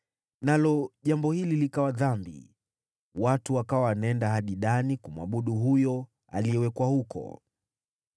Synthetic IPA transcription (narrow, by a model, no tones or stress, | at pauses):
nalɔʄambɔhililikawaðambḭ | watuwakawawanaɛndaɦaɗiɗanikumwa̰ɓuɗuɦujɔ | a̰liɛwɛkwahukʰɔ̰